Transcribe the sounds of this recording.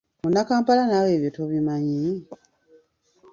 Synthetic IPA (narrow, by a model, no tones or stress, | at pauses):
munakaːmpalanaːwe̞ːβjotoβimaɲi